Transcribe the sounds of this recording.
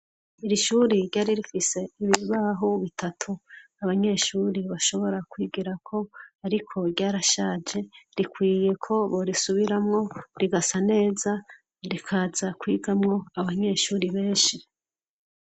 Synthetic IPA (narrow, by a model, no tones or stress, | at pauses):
iɾiʃuːɾiɾɟaːɾiɾifise̞iβiβiβaɦoβitʰatʰuaβaɲe̞ʃuːɾiβaʃo̞βo̞ɾakwiːɡiɾakʰo̞aɾikʰo̞ɾɟaːɾaʃaːd͡ʒe̞ɾikwiːje̞kʰo̞βoɾisuβiɾamŋo̞ɾiɡasane̞ːza | ɾikʰazakwiːɡamŋo̞aβaɲe̞ːʃuːɾiβe̞ːnʃi